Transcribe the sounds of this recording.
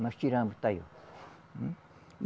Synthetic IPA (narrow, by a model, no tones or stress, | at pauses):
nat͡ʃiɾãmbɨt̪ajo̰